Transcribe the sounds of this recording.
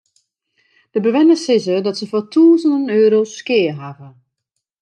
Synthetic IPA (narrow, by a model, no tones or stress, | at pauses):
d̥əbəʋɪnəsɪsədɔtsəfɔtʰuːzənənøːɾoskɪːəɦavə